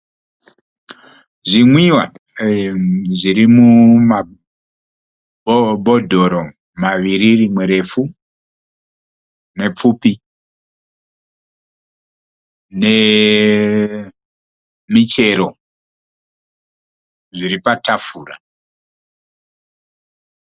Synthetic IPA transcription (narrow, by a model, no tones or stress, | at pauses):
ʐimwiwa | ʐiɾimuma | bʱo̞dʱo̞ɾo̞ | maʋiɾirimweɾe̞fu | ne̞p͡fupi | ne̞ | mit͡ʃe̞ɾo̞ | ʐiripatafuːra̰